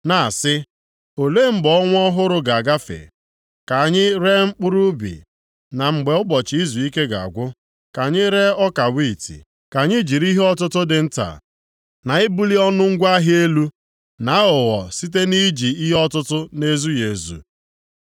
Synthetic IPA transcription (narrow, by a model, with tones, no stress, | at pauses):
na˨a˨sɪ˦ | o˨le˦˨ŋ͡m̩˦ɡ͡bɔ˨˦ŋʷ˦ɔ˦ɦʊ˦ɾʊ˦ɡa˨a˨ɡa˦fḛ˨ | ka˨ɲɪ˦ɾe˦ŋ͡m̩˦k͡pʊ˦ɾu˦bḭ˨ | na˨ŋ͡m̩˨ɡ͡be˨ʊ˦bɔ˨t͡ʃi˨˦i˦zu˨i˦ke˦ɡa̰˨a̰˨ɡʷʊ˦ | ka˨ɲɪ˦ɾe˦ɔ˦ka˨wi˦˨tḭ˨ | ka˨ɲɪ˦d͡ʒi˨ɾi˦ɦe˦ɔ˦tʊ˦tʊ˦dɪ˨n̩˦ta̰˨ | na˨ɪ˦bu˦li˦ɔ˦nʊ˦ŋ̩˦ɡʷa˦ɦɪ˦e˦lu˦ | na˨˦ʊ˨ɣɔ˨si˦t̬e˦ni˦d͡ʒi˨i˦ɦe˦ɔ˦tʊ˦tʊ˦ne˦zu˦je˨zṵ˨